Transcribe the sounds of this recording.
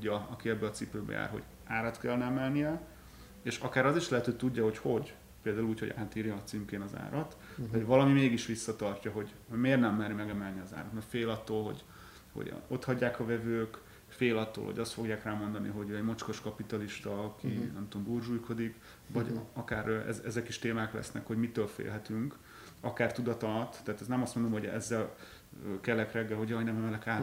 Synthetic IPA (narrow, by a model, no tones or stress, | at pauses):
ɟːɒɒkiɛbːɛɒt̪sipøːbɛ̰ja̰ːrɦo̰ɟ | aːɾɒt̪kɛlnɛɛmɛlnijɛ | eːʃɒkaːɾɒziʃlɛɦɛt̪øːt̪uɟːɒho̞cho̞ɟ | peːld̪aːuluːchoɟaːt̪iːɾjɒːt̪siŋkeːnɒza̰ːɾɒt̪ | ɦɒvɒlɒmimeːɡiʃʋisːɒt̪ɒrcɒɦo̞ɟ | hoɟmeːrnɛmːɛɾmɛɡɛmɛlniɒza̰ːɾɒt̪mɛfeːlɒt̪ːoːlɦo̞̰ɟ | ho̰ɟ̰o̞t̪hɒɟːaːkɒvɛvøːk | feːlɒt̪ːo̰ːlho̰ɟɒst̪fo̞ɡjaːkraːmo̞nd̪ɒnḭɦo̞ɟøɛɟmɒt͡ʃko̞ʃkɒpit̪ɒliʃt̪ɒkinɛmt̪o̞mbuːrʒuːjko̞d̪ik | vɒɟɒkaːɾøʔɛ̰zɛzɛkiʃt̪eːmaːklɛ̰snɛ̰kho̞ɟmit̪øːlfḛːlɦɛt̪yŋk | ɒkaːrt̪ud̪ɒt̪ɒlɒt̪ːɛːt̪ɛsnɛmɒst̪mond̪o̞mɦoɟɛ̰zːɛl | økɛlɛkrɛɡːɛlɦo̞ɟɒjnɛmɛmɛlɛkaː